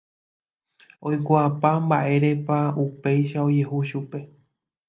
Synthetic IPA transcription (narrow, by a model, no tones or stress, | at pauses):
o̞jkʷaapambaʔe̞ɾe̞paupe̞jʃao̞d͡ʒe̞huʃupe̞